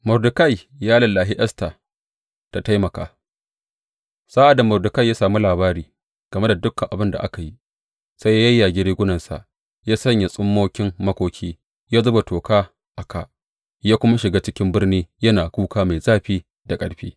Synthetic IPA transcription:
mʊ˨rdʊ˨ka˦˨j | jaː˦lɐ˨lːaː˨ɦɪ˦ʔɐ˦sta˨ | ta˨ta˦jmɐ˨kaː˨ | saː˦ʔa˨da˨mʊ˨rdʊ˨ka˦˨jaː˦saː˨mu˦laː˨baː˦ɾiː˨ | ɡ̥ɐ˨me˦da˨dʊ˦kːɐ˨ʔa˨bɪ˦nda̰˨ʔa̰˦ka˨ji˦ | sa˦ja˦jɐ˦jːa˨ɡʲɪ˦ɾiː˦ɡʷʊ˦nɐ˨nsa̰˨ʔ | jaː˦sɐ˦ɲja˨sʼʊ˦mːoː˦kʲɪ˦mmɐ˦kʷoː˦kʲʰiː˦ | jaː˦zʊ˦ba˨toː˨kaː˦ | ʔa˨ka˨ʔ | jaː˦kʷʊ˦ma˦ʃɪ˨ɡaː˦t͡ʃɪ˦kʲɪ˦mbɪ˦rniː˦jɐ˦naː˨kʷuː˦kaː˦ma˨jzaː˦ɸiː˦ | da˨kʼɐ̰˨˦ɽɸḭː˦

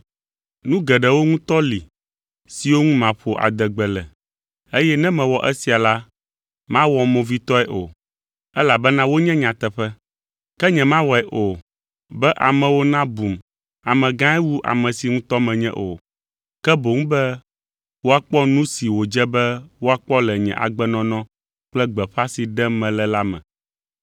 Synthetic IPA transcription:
nũ˦ɡɛ˨ɖɛ˨wo˦ŋũ˦t̪ɔ˦li˨ | si˨wo˦ŋũ˦mã˨ɸo˨ʔa̰˨d̪ɛ˨ɡ͡bɛ˨lɛ˨ | e˦jɛ˦nɛ̃˦mɛ̃˨wɔ˨ʔɛ˦si˨a˨la˦ | mã˦wɔ˨mɔ̃˨vi˦t̪ɔ˦ɛ˨ʔo˨ | ɛ˦la˨bɛ˦nã˦wo˦ɲɛ̃˦ɲã˨t̪ɛ˨ɸɛ˦ | kɛ˦ɲɛ̃˨mã˦wɔ˨ɛ˨ʔo˨ | bɛ˦ʔa˨mɛ̃˨wo˦nã˦bu˨m | a˨mɛ̃˨ɡã˦ɛ˦wu˦ʔa̰˨mɛ̃˨si˨ŋũ˦t̪ɔ˦mɛ̃˨ɲɛ̰̃˦ʔo̰˨ | kɛ˦bo˨ŋũ˦bɛ˦ | wo˦a˨k͡pɔ˦nũ˦si˨wo˨d͡ʒɛ˦bɛ˦wo˦a˨k͡pɔ˦lɛ˨ɲɛ̰̃˨ʔa̰˨ɡ͡bɛ˦nɔ̃˦nɔ̃˦ | k͡plɛ˦ɡ͡bɛ˨ɸa˦si˨ɖɛ˦mɛ̃˨lɛ˦la˦mɛ̰̃˨

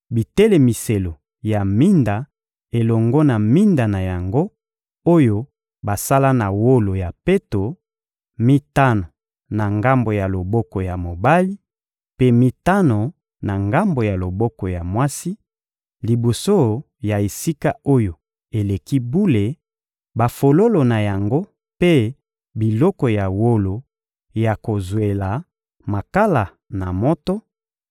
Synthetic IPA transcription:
bi˨te˦le˨mi˨se˨lo˨ | ja˨mi˦nda˨ | e˨lɔ˨ŋɡɔ˦na˨mi˦nda˨na˨ja˨ŋɡo˦ | o˦jo˦ | ba˨sa˦la˦na˨wo˦lo˨ja˨pe˦to˨ | mi˦ta˦no˨ | na˨ŋɡa˦mbo˨ja˨lo˨bɔ˦kɔ˨ja˨mo˨ba˦li˦ | pe˦mi˦ta˦no˨ | na˨ŋɡa˦mbo˨ja˨lo˨bɔ˦kɔ˨ja˨mwa˦si˦ | li˨bo˨so˦ | ja˨e˨si˦ka˦o˦jo˨ | e˨le˨ki˦bu˦le˨ | ba˨fo˨lo˦lo˨na˨ja˨ŋɡo˦ | pe˦ | bi˨lɔ˦kɔ˨ja˨wo˦lo˨ | ja˨ko˨zwe˨la˨ | ma˨ka˦la˨ | na˨mɔ˦tɔ˦

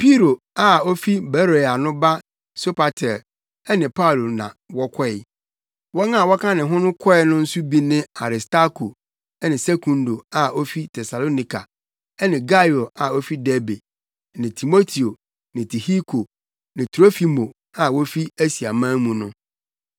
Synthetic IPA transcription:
pʰi˦ɾo˨ | a˨o˦fi˦bɛ˦ɾe˨a˨nʊ̃˦ba˦ | so˦pʰa˨tʰɛ˨l | ɛ˦nɪ̃˨pʰa˦u˨lo˨nã̰˨wɔ˦kʰɔ˦ɛ˨ | wɔ˦nã˦˨wɔ˦kʰã˦nɪ̃˨ɦʊ̃˦nʊ̃˦kʰɔ˦ɛ˦nʊ̃˦n̩˦su˦bi˦nɪ̃˦a˨ɾɪ˨sta˦kʰo˨ | ɛ˦nɪ̃˨se˦kʰũ˨ndo˨a˨o˦fi˦tʰɛ˨sa˨lo˦nĩ˨kʰa˨ | ɛ˦nɪ̃˨ɡa˦jo˨a˨o˦fi˦dɛ˦be˨ | nɪ̃˨tʰi˨mo˦tʰi˨o˨ | nɪ̃˨tʰi˨hi˦kʰo˨ | nɪ̃˨tʰɾo˦fi˨mo˨ | a˨wo˦fi˦æ˦si˨a˨mã˦mũ˨nʊ̰̃˦

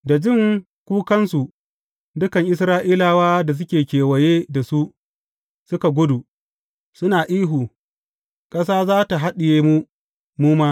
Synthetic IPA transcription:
da˨d͡ʒɪ˦˨ŋ | kʷuː˦kɐ˦nsu˨ | dʊ˦kɐ˨ŋʔɪ˦s̬ɾaː˦ʔiː˦laː˨waː˦da˨s̬ʊ˦kʲeː˨kʲeː˨wɐ˨jeː˦da˨su˦ʔ | sʊ˦ka˨ɡʷʊ˦du˨ | sʊ˦naː˨ʔiː˦ɦuː˨ | kʼɐ˦s̬aː˦zaː˦ta˨ɦa˦ɗɪ˨jeː˦mu˦ | muː˦maː˦

